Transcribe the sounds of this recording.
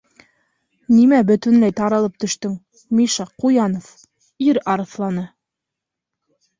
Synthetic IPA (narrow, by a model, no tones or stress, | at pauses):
nimæbɵ̆t̪ɵ̆nlæjt̪ɑɾɑlˠɤp̚t̪ɵ̆ʃt̪ɵŋ | miʃɑqujɑnof | iɾɑɾɤ̆θlˠɑnɤ